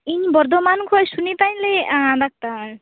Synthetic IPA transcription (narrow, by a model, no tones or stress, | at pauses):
iɲbɔɾd̪ɔmankʰɔjsunit̪ajnlead̪ak̚t̪a